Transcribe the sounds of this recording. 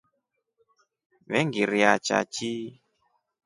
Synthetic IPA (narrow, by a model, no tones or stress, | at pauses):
βɛŋɡiɾiat͡ʃa̰t͡ʃi